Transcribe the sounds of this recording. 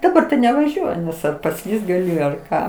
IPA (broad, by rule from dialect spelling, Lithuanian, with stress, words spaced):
dɐˈbɐr tɐɪ nʲɛʋɐˈʒʲuɔjʊ ˈnʲɛs ɐr pɐˈsʲlʲiːst ɡɐˈlʲɪ ɐr ˈkɑː